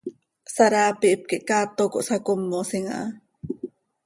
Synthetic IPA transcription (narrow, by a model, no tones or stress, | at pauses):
saɾaːpiʔp̚kiʔkaːt̪oko̰ʔsakomːosiŋa̰